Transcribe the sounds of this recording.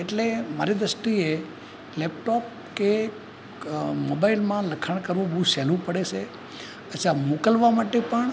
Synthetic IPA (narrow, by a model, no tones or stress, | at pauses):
eʈlemaɾid̪ɾəsʈie | lɛp̚ʈop̚ | ke | mobailmãləkʰaɳ̃kəɾʋũbũsɛlũpəɽet͡ʃʰe | əʃamokəlʋamaʈepəɳ